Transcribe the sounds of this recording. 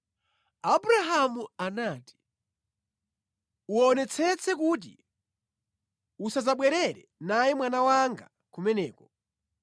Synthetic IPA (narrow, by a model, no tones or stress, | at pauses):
abuɾaɦamuanaːti̥ | uɔnɛt͡sʰɛt͡sʰɛkut̬ḭ | usazaɓwɛɾɛɾɛ̰najimwanawaŋɡa | kumɛnɛːkɔ